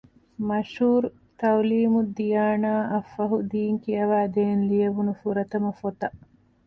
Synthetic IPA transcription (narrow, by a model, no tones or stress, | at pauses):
mɐʃuːɾ | t̪ɐwliːmud̪ijaːnaːʔɐfːɐɦud̪iːŋkijɐʋæːd̪eːnlijɐʋunufuɾɐt̪ɐmɐfot̪ɐʔ